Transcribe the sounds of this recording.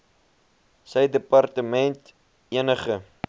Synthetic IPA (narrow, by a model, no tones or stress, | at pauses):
səjdəpɐrtəmɛnt | iənəχə